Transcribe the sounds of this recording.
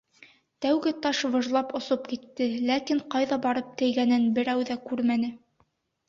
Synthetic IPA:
t̪æwɡɘt̪ɑʃvɤ̆ʒlˠɑpŏsopkit̪ːɘlækiɴqɑjðɑbɑɾɤp̚t̪ɘ̆jɡænɘnbɘ̆ɾæwðækʉɾmænɘ

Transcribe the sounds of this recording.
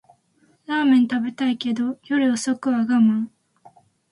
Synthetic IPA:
ɾaːmẽnt̪abe̞t̪aike̞d̪ojoɾɯosokɯ̟βaɡamã

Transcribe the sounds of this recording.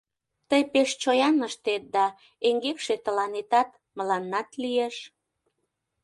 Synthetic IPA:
t̪əjpeʃt͡ɕojɑnəʃt̪et̪̚d̪ɑ | eŋɡekʃet̪əlɑnet̪ɑt̪ | məlɑnːɑt̪lieʃ

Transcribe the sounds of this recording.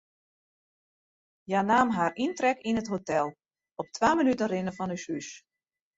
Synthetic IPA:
janaːmɦaːrintrɛkinətɦotɛlˠ | ɔp̚tʰʋaːmənytənrɪnəfɔnysys

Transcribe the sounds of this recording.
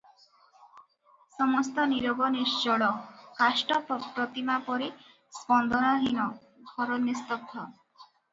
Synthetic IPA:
sɔmɔst̪ɔniɾɔbɔnisd͡ʒɔɭɔkasʈɔppɾɔt̪imapɔɾi | spɔnd̪ʱɔnɔɦinɔ | ɡʱɔɾɔnjest̪ɔt̪ʰːɔ

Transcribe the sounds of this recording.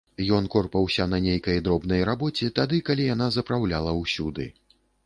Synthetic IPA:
jɔnkɔrpɐwsʲɐnɐnʲejkɐjd̪ɾɔbn̪ɐjɾabɔt͡sʲit̪ad̪ɨkalʲijan̪azɐpɾawlʲalˠɐwsʲud̪ɨ̰

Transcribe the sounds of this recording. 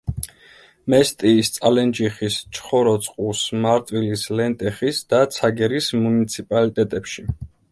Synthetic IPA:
mɛst̪ʼiːst̪sʼalɛnd͡ʒiχist͡ʃʰχɔɾɔt̪sʼqʼusmaɾt̪ʼwilislɛnt̪ʼɛχisd̪̥at̪sʰaɡɛɾismunit̪sʰipʼalit̪ʼɛt̪ʼɛpʃi

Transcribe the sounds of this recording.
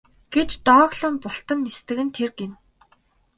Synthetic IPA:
ɡ̥et͡ɕt̪ɔːɣɮə̆mpʊɬt̪ə̆nːist̪ɘ̆ɣɘ̆nt̪ʰerɡen

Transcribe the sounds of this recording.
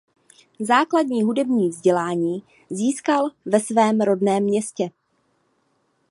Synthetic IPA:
zaːkladɲiːɦudɛbɲiːvzɟɛlaːɲiː | ziːskalvɛsvɛːmɾo̞dnɛːmːɲɛscɛ

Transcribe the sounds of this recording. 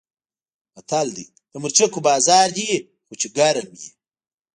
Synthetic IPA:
ɐt̪ʰald̪ḭ | t̪ɐmuɾt͡ʃekubaːzaːɾd̪i | xut͡ʃeɡaɾɐmji

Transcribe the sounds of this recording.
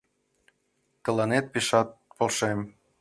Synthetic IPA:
t̪ɤ̆lɑnet̪̚piʃɑt̪̚polʃem

